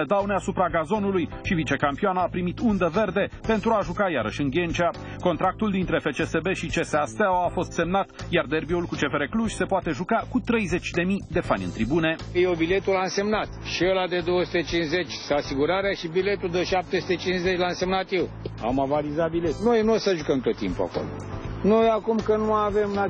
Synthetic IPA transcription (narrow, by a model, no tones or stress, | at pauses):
d̪awneasupɾaɡazo̞nulujʃivit͡ʃe̞kampioanəapɾimit̪und̪əve̞rd̪e̞pe̞nt̪ɾuaʒukaja̰ɾə̰ʃʲɨŋɡʲe̞nt͡ʃa | ko̞nt̪ɾak̚t̪uld̪int̪ɾe̞fe̞t͡ʃe̞sebe̞ʃit͡ʃe̞seast̪aoafo̞st̪se̞mnat̪jard̪e̞rbiulkut͡ʃe̞feɾe̞kluʒʲse̞poat̪e̞ʒukakut̪ɾe̞jze̞t͡ʃʲd̪e̞mid̪e̞fanʲɨ̰nt̪ɾibune̞ | jewbile̞t̪ulanse̞mnat̪ʃielad̪ed̪o̞wəsu̥t̪et͡ʃinzze̞t͡ʃʲsasiɡuɾaɾeaʃibile̞t̪uld̪əʃap̚t̪esu̥t̪et͡ʃinzet͡ʃʲlanse̞mnat̪jew | a̰mavalizat̪̚bile̞t̪nojenosəʒukəmt̪o̞t̪ːḭmpua̰ko̞̰lo̰nojakumkənuavemla